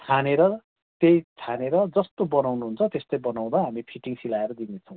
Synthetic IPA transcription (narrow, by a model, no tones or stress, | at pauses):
t̪ʰaneɾʌ | t̪ejt̪ʰaneɾʌd͡zʌst̪obʌnawnuɦunt͡sʰʌt̪est̪ojbʌnaw̃d̪ʌɦamipʰiʈiŋsilaeɾʌd̪inet͡sʰʌw̃